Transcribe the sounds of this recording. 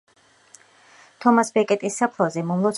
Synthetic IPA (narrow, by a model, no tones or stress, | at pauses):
t̪ʰɔmasbɛkʼɛt̪ʼisːapʰlˠazɛmɔmlˠɔt̪s